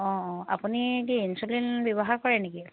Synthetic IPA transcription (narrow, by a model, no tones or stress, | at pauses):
ɔ̃ɔ̃a̰punikiinsulinbjɔbɔɦakɔɹɛneki